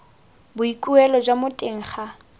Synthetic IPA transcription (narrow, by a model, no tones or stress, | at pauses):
bʊikʼuɛlɔd͡ʒwamʊtʼɪŋ̩χa